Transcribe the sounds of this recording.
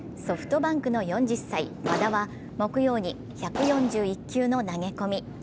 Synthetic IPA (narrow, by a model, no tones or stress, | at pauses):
so̞ɸɯ̥t̪o̞bãŋkɯ̟no̞jõ̞ɲ̟d͡ʑisːaimad̪aβa | mo̞kɯ̟jo̞ːɲ̟i | çakɯ̟jõ̞ɲd͡ʑɨːikʲːɨːno̞naɡe̞ko̞mʲi